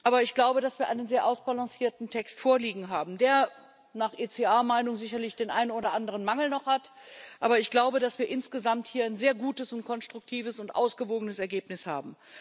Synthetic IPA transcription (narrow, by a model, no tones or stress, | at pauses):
ʔaːbɐɪçɡ̥laʊbədasv̥iːɐʔaɪnənzeːɐʔaʊsb̥alãŋsiːɐtn̩tʰɛkstfoːɐliːɡŋ̩ɦaːbm̩deːɐ | naːχʔeːt͡seːaːɐmaɪnʊŋzɪçɐlɪçd̥eːnʔaɪnənoːdɐʔandəʁ̞ənmaŋl̩nɔχhatʔa̰ːbɐɪçɡ̥laʊbədasv̥iːɐʔɪnsɡ̥əzamthiːɐaɪnzeːɐɡuːtəsʊnt̚kʰɔnstʁ̥ʊk̚tʰiːvəsʊntʔa̰ʊsɡ̥əvoːɡənəsɛɐɡeːpnɪsha̰ːbm̩